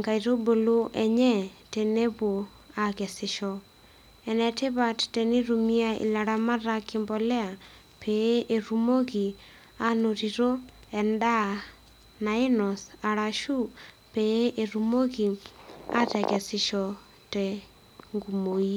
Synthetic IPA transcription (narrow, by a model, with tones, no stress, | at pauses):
ŋɡa˨i˨ɾo˦bo˨lo˦ʔɛɲɛ˦te˨ne˦βo˨ | a˨kɛ˨sɪʃɔ˨ | ɛ˨nɛ˨te˦βa˦ttɛ˨ni˦ɾu˨mi˦a˦ḭ˨la˨ɾa˦ma˦ɾa˦kɪmbɔ˦lɛ˦a˨ | pʰe˨˦ʔe˨ɾu˨mo˦ɣi˨ | a˦no˨ɾi˨ɾo˦ | ɛ˨nda˦˨ | na˨e˦nɔ˨sa˨ɾa˨ʃu˦pee˦ʔe˨ɾu˨mo˦ɣi˨a̰˦tɛ˨ɣɛ˨sɪ˨ʃɔ˨ | tɛ˨ | ŋɡu˨mo˨i˦